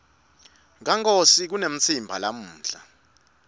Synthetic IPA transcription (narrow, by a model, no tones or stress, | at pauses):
ŋaŋkʼosik̬unem̩t͡sʰimbʱalam̩ːɬa